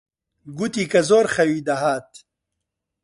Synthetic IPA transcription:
ɡut̪ikɐzoːɾχɐwid̪ɐɦaːt̪

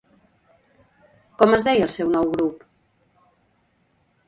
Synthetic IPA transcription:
kɔməzðɛjəlˠsɛwnɔwɣɾup

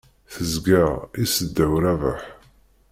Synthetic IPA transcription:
θəzɡəʁisəd̪ːæwɾævəħ

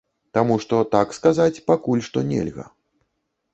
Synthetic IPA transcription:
t̪amuʂt̪ɔt̪akskazat͡sʲpakulʲʂt̪ɔnʲɛ̰lʲɣɐ̰

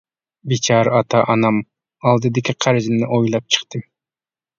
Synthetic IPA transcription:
bit͡ʃʰɑɾɑt̪ɑʔɑnɑm | ɑlˠd̪ɨd̪ɪkʲiqʰæɾɪzɪnɪʔojlˠɑp̚t͡ʃʰɨ̥qt̪ɨm

